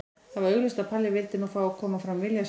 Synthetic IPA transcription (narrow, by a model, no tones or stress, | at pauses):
havaɾœɣlʏst̪apʰaljɪvɪlt̪ɪnufɾaːwakʰɔːmafɾamvɪljas